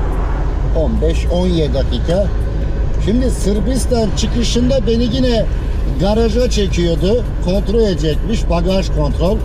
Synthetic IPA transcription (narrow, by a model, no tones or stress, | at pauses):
o̞nbɛʃ | o̞njɛd̪akiːkʰa | ʃimd̪isɯɾbist̪ant͡ʃʰɯkɯʃɯnd̪abe̞niɟinɛ | ɡaɾad͡ʒat͡ʃʰecʰijo̞d̪ʊ | kʰo̞nt̪ɾolʲed͡ʒɛc̚miʃbaɡaʃkʰo̞nt̪ɾo̞lʲ